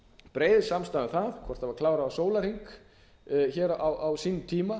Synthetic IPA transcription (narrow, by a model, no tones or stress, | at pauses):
pɾeːjðsamst̪aːðaθaðkʰvɔr̥t̪havaɾklaːwɾaːsoːwlaɾ̥hiŋk | çɛːɾawʔawsiːnt̪ʰiːma